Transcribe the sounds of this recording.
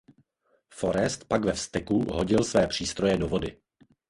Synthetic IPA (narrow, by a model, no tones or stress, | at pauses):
fo̞ɾɛst̪pakvɛfst̪ɛkuɦo̞ɟɪlsvɛːpr̝̥iːst̪ɾo̞jɛdo̞vo̞dɪ